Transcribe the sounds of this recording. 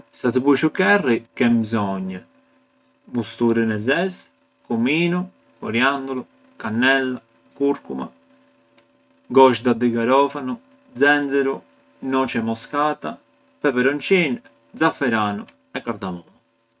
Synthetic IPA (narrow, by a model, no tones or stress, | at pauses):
sat̪puʃukɛrːikɛmbzɔɲːə | must̪uɾinɛzɛs | kumiːnu | ɔɾjand̪ulu | kanːɛlːa | kuɾkuma̰ | ɡɔʃd̪ad̪iɡaɾɔfanu | d̪zɛnzɛɾu | nɔt͡ʃɛmɔskaːt̪a | pɛpɛɾɔnt͡ʃin | d̪zafɛɾaːnu | ɛkːaɾd̪amɔn